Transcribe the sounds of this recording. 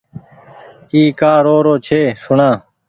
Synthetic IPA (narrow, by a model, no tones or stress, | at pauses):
iːkaːɾoːɾoːt͡ʃʰeːsʊɳãː